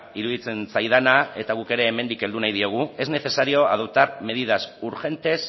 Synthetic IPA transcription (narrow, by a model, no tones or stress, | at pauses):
iɾuðit͡se̞nsajð̞anae̞t̪aɣ̞uke̞ɾe̞ːme̞nd̪ike̞ld̪unajðio̞ɣ̞ue̞zne̞θe̞saɾio̞a̰ðuwt̪aɾme̞ð̞iðasuɾʝe̞nt̪e̞s